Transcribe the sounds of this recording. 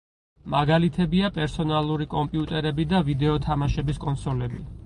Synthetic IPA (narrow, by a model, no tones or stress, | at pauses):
maɡalit̪ʰɛbiapʼɛɾsɔnalˠuɾikʼɔmpʼiut̪ʼɛɾɛbid̪avid̪ɛɔt̪ʰamaʃɛbiskʼɔnsɔlɛbi